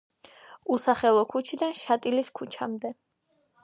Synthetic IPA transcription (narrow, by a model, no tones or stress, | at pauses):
usaχɛlˠɔkʰut͡ʃʰid̪anʃat̪ʼiliskʰut͡ʃʰamd̪ɛ